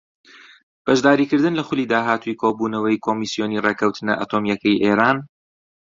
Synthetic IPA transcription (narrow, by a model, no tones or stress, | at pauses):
b̥ɐʒd̪aːɾiːkɨɾd̪ɨnlɐxʊliːd̪aːɦaːt̪ʰujkʰoːbuːnɐwɐjkʰo̞ːmisijo̞nirekʰɐwt̪ʰɨnɐʔa̰t̪ʰoːmjɐkɐjʔeːɾaːn